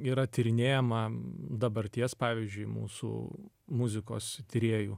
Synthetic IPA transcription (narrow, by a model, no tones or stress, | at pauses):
iːɾɐt̪ʲɪɾʲɪnʲeːjɛmɐd̪ɐbɐɾʲt̪ʲiɛspɑːʋʲiːzʲd͡ʒʲʊɪmṵːsṵː | mʊzʲɪko̰ːst̪ʲɪɾʲeːjṵː